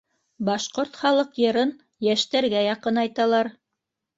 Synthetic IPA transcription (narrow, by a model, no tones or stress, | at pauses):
bɑʃqoɾt̪χɑlˠɤqjɤ̆ɾɤn | jæʃt̪æɾɡæjɑqɤnɑjt̪ɑlˠɑɾ